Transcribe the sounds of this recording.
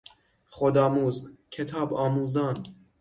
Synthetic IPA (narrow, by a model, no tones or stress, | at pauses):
χod̪ɑːmuːzkʲʰet̪ʰɑːbɑːmuːzɑːn